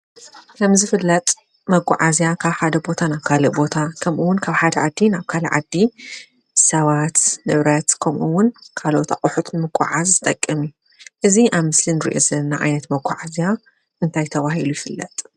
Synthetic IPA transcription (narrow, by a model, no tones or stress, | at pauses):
kʰɐmzɨfɨlːɐt̪ʼ | mɐɡʷʼʊ̰ʕazjakʰaβħad̪ɐbo̞t̪ʰanaβkʰalɐbo̞t̪ʰakʰɐmʔuwʊnkʰaβħad̪ɐʕad̪ːinaβkʰalɐʕa̰d̪ːi | ɨsɐβat̪nɨβɾɐt̪kʰɐmʔuwʊnkʰalo̞t̪a̰qʼʊħut̪ʰnɨmɨɡʷʼa̰ʕazzɨt̪ʼɐkʼːɐmju | ʔɨziʔaβmɨslinɨɾḭʔozɐnːaʕa̰jnɐt̪mɐɡʷa̰ʕazja | ʔɨnt̪ʰajt̪ʰɐβahilujɪfɨlːɐt̪ʼ